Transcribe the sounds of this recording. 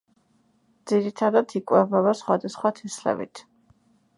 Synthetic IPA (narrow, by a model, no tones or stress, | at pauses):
d̪ziɾit̪ʰad̪at̪ʰikʼwɛvɛvasχwad̪asχwat̪ʰɛslɛ̰vḭt̪ʰ